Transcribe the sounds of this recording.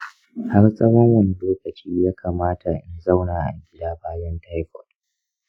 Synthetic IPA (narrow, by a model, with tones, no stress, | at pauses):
ha˦rsʼɐ˦wɔ˦ŋwɐ˨ni˦loː˦kɐ˨t͡ʃiː˦jaː˦kʰaː˨maː˦tʰa˨ʔɪ˦nza˦˨wnaː˨ʔa̰˨ŋɡʲɪ˦daː˦baː˦jɔ˦nta˦jkʰɔ̰˨t